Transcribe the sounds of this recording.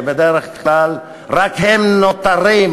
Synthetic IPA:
bed̪eʁeχklal | ʁakhemnot̪aɾim

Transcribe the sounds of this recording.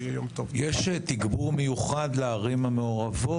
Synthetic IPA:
jomt̪ovjeʃet̪iɡbuʁmejuχad̪leaʁimameoʁavo

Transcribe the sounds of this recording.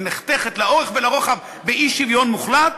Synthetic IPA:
neχt̪eχet̪lao̞ʁeχvelaʁoχav | beiʃːivjo̞nmuχlat̪

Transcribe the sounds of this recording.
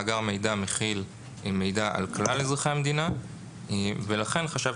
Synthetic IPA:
ɡaʁme̞jd̪ameχil | me̞jd̪aʔa̰lklalezʁaχeamed̪ina | velaχe̞nχaʃav

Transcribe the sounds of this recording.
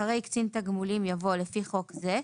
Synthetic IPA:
aʁejkt͡sint̪aɡmulimjavo̞lefiχo̞kze

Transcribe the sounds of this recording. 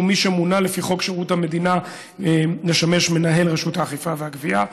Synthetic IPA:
umiʃemunale̞fiχo̞kʃeʁuthame̞dina | leʃame̞ʃme̞naɦe̞lʁeʃuthaːχifaveaɡvia

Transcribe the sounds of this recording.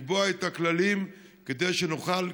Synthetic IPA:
boaet̪aklalimked̪e̞jʃenoχal

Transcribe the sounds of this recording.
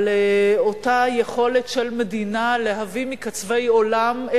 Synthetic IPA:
leotajeχo̞letʃelme̞dinale̞ɦavimikat͡sve̞jo̞lam

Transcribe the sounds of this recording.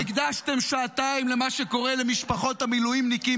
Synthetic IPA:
iɡd̪aʃt̪e̞mʃaːtaimle̞maʃe̞ko̞ʁele̞miʃpaχo̞tamilujimniki

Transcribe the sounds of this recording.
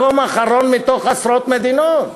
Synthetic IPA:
omaχaɾonmit̪oχasɾot̪med̪inot̪

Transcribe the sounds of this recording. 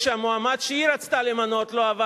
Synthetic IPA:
ʃeamoamad̪ʃeiɾat͡st̪alemanot̪loava

